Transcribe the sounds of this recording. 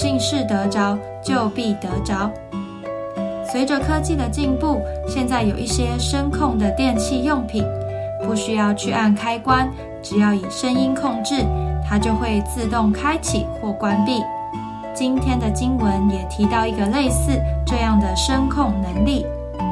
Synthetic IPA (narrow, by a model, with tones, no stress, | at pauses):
t͡ɕi˥˧ŋʂɻ̩˥˩t̪ɤ˧˥ʈ͡ʂɑ˥ʊ | t͡ɕjo˥˧ʊpi˥˩t̪ɤ˧˦˥ʈ͡ʂɑ˥ʊ | swe˨˧˥ɪʈ͡ʂə˧kʰɤ˥t͡ɕi˥˩d̪ə˩t͡ɕi˥˧ŋpu˥˩ɕjɛ˥˧nt͡sa˥˩ɪjo˨˩ʊʔi˥˩ɕjɛ˥ʂə˥nkʰʊ˥˩ŋd̪ə˨t̪jɛ˥˧nt͡ɕʰi˥˧jʊ˥˩ŋpʰi˨˩˦ŋpu˥˩ɕy˥jɑ˥˧ʊt͡ɕʰy˥˧ʔa˥˩nkʰa˥ɪkwa˦˥n | ʈ͡ʂɻ̩˨˩jɑ˥˩ʊi˨˩ʂə˦˥ŋi˥nkʰʊ˥˧ŋʈ͡ʂɻ̩˥˩t̪ʰa˥t͡ɕjo˥˧ʊxwe˥˧ɪt͡sɹ̩˥˧t̪ʊ˥˩ŋkʰa˥ɪt͡ɕʰḭ˨˩˦xwɔ˥˩kwa˦npi˥˩ | t͡ɕi˦˥nt̪ʰjɛ˥nd̪ə˨t͡ɕi˥nwə˧˦njɛ˨˩t̪ʰi˧˥t̪ɑ˥˩ʊi˧˥ɡə˧le˥˧ɪsɹ̩˥˧ʈ͡ʂɤ˥˧jɑ˥˩ŋd̪ə˩ʂə˥nkʰʊ˥˩ŋnə˧˥ŋli˥˩